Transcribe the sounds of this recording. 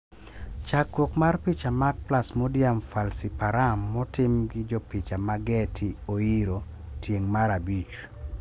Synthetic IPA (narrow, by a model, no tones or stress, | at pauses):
t͡ʃakwokmarpit͡ʃamak̚plasmɔdjamfalsipaɾamːɔtɪmɡɪd͡ʒɔpit͡ʃamaɡɛtʰɪoiɾo | tʰjeŋmaɾabit͡ʃ